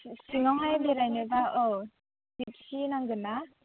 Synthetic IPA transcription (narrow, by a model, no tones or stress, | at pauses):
siŋɔŋhajbeɾajnɯbaʔɔ | dip̚sinaŋzɯnːa